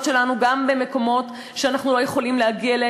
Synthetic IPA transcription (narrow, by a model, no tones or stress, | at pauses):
tʃe̞lanuɡambe̞me̞ko̞mo̞t | ʃeanaχnulo̞je̞χo̞limlehaɡiale